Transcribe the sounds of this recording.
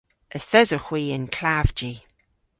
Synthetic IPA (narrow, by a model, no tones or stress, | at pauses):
əθɛzəxwiːənkʰl̥avd͡ʒi